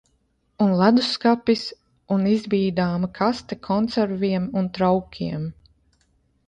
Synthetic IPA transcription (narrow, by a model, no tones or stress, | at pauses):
unlˠad̪uskapis | unizbiːd̪aːmakʰast̪ɛkʰɔnt̪sɛɾviɛmunt̪ɾawkʲʰiɛm